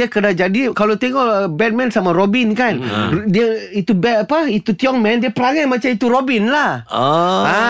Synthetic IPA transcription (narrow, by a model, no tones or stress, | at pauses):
akədad͡ʒadikalot̪eŋɔʔbɛt̪̚mɛ̃nsamaɾobinkandiait̪ubɛtapait̪ut̪iɔŋmɛ̃ndiəpəɾaŋatmat͡ʃamit̪uɾobinlahoa